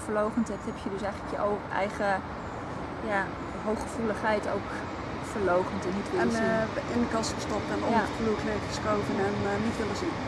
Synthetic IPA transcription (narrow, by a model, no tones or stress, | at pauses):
fəɹlowχəntɛthɛpʰjədøsɛjɣləkjəoɛ̰jχə | ja | ɦowxəfuləχɛjtowk | fəɹlowχəntənɦitʋɪɛnʔɪnəkɑsχəstɔp̚tɛnɔflutʰløɹtə̥skowvənɛnnitʋɪlˠəsin